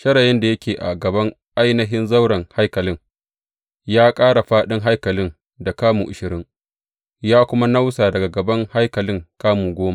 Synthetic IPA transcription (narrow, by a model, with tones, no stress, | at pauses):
ʃɐ˦ɽɐ˨jɛ˦nda˨jɐ˦kʲeː˨ʔa̰˨ɡɐ˨bɐ˦ŋ | ʔa˦jnɐ˦ɦɪ˦nzɐ˦wɽɐ˨ŋha˦jkɐ˨lɪ˦ŋ | jaː˦kʼaː˦ɽa˨ɸaː˦ɗɪ˦ŋɦa˦jkɐ˨lɪ˦n | da˨kaː˦mṵ˨ʔʊ˨ʃɪ˨ɾɪ˦ŋ | jaː˦kʷʊ˦ma˦na˦wsaː˨dɐ˨ɡa˨ɡɐ˨bɐ˦ŋha˦jkɐ˨lɪ˦ŋkaː˦muː˨ɡʷoː˦ma˨